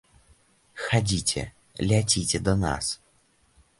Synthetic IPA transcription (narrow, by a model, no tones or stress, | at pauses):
xad͡zʲit͡sʲɛ̰ | lʲat͡sʲitʲɛd̪ɐna̰s